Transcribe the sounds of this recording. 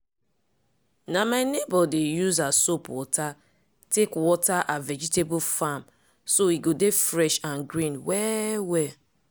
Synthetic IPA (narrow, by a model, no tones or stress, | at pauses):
namaɪnebɔdejuzasopwɔta | tekwɔtaʔavɛd͡ʒitebʊlfam | soiɡodefɾɛʃãnɡɾĩnwɛwɛ